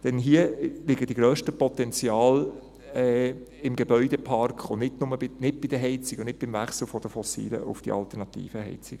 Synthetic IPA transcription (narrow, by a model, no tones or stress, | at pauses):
d̥ɛnɦiəlɪɡəd̥iɡɾœːʃtəpɔt̪ɛnt͡sjɑːl | ɛ | ɪmɡebœʏdɛpʰɑrkχʊnnɪdnʊməbɪnɪt̚b̥ɪd̥əɦɛɪt͡sɪɡ̥onɪt̚b̥ɪmvæχsl̩fɔd̥əfɔsḭːlə̰ʔʊ̰fd̥ḭɑ̰ltɛɾnɑtḭːfəɦɛ̰ɪt͡sɪɡ̥